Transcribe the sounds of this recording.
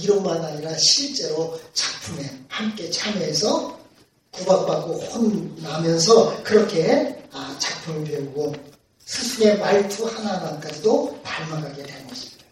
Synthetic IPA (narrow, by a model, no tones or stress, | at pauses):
iɾʌnmanaɲiɾaɕʰiɭt͡ɕ͈e̞ɾot͡ɕak̚pʰume̞hamk͈e̞t͡ɕʰameːs̬ʰʌ | kubak̚p͈ak͈ohonːamjʌnsʰʌkɯɾʌkʰe̞at͡ɕak̚pʰumɯɭp̬e̞uɡo | sʰɯsʰuŋe̞maɭtʰuhananank͈ad͡ʑidopaɭmaɡaɡe̞dwe̞ɡʌɕʰi̥mida